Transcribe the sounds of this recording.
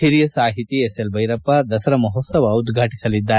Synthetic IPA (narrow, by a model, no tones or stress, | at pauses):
ɦiɾijɐsaːɦit̪ieselbʱɐjɾɐpːɐd̪ɐsɐɾɐmɐɦoːsɐʋɐud̪ɡʱaːʈi̥sɐlid̪ːaːɾe